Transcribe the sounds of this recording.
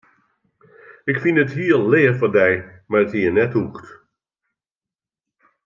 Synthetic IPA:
ɪkfinəthiəlleːrfɔndɛjmarəthiːənɛthuxt

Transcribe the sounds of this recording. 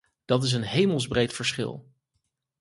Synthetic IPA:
d̥ɑtɪs̬ənɦejməlˠzbrejtfəɹsχɪ̰lˠ

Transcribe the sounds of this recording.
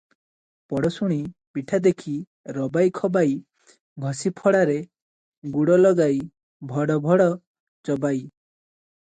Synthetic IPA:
pɔɽɔsuɽ̃ipiʈʰad̪ekʰi | ɾɔbajkʰɔbaj | ɡʱɔsipʰɔɽaɾe | ɡuɽɔlɔɡaj | bʱɔɽɔbʱɔɽɔ | t͡ʃɔbaj

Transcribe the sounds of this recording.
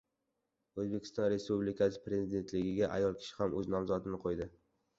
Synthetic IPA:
ɵzbe̞kʲʰɪ̥st̪ɒnɾe̞spublɪkʲʰasɪ̥pɾe̞zɪd̪e̞nt̪lɪɡʲɪɡʲaʔa̰jɒlˠkʲʰɪ̥ʃɪ̥hamɵznɒmzɒt̪ʰɪnɪqʰojd̪ɪ

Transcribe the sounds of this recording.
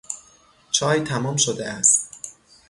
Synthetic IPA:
t͡ʃʰɒːjt̪ʰæmɒːmʃod̪eæst̪̚

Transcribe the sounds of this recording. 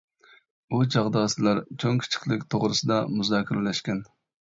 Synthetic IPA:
ut͡ʃʰɑʁd̪ɑːsɨlˠɑɾt͡ʃʰoŋkʲʰi̥t͡ʃʰi̥χlˠɪkʲt̪ʰoʁɾɨsɨd̪ɑmuzɑːkʰʲiɾɪlɛʃkʲɛn

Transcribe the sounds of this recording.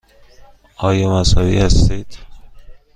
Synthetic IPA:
ɒːjɒːmæsɒːvḭːhæst̪iːd̪̥

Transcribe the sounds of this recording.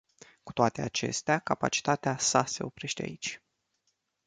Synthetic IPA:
ku̥t̪oat̪e̞at͡ʃe̞̰st̪eakapa̰t͡ʃi̥t̪at̪easase̞o̞pɾe̞ʃt̪ea̰it͡ʃʲ

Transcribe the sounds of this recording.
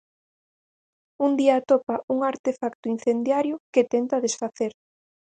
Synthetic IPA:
und̪iaːt̪opaʔuŋaɾt̪efakt̪ʊin̟θend̪jaɾjʊket̪ent̪aðesfaθeɾ

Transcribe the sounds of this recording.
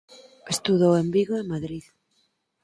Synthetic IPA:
est̪uðowembiɣoemaðɾið

